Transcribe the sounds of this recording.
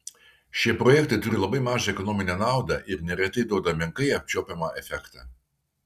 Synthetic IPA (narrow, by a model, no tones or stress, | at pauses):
ʃʲiɛpɾɔjɛkt̪ɐɪt̪ʊɾʲɪlˠɐbɐɪmɑːʒɐɛkɔnoːmʲɪnʲɛnɑˑʊd̪ɐʔɪɾnʲɛɾʲɛt̪ʲɐɪd̪ɐʊd̪ɐmʲɪŋkɐɪɐp̚ʲt͡ʃʲoːpʲɛmɐʔɛfʲɛkt̪ɑː